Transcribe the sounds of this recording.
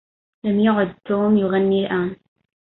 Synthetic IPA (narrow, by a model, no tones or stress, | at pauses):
lamjʊʕʊd̪̚t̪ːoːmjʊɣanːilʔaːn